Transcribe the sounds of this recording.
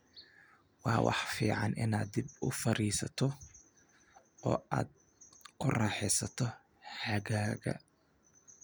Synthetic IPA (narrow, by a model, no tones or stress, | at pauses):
wɑːwʔɑ̰ħfiːʕɑnʔɪnaːd̪ɪbʊfɐɾiːsɐt̪ʰɔ | ɔ̰ːʔaːd̪ | kʰʊrɑːħɛsɐt̪ʰɔ | ħɐɣaːɣɐ̰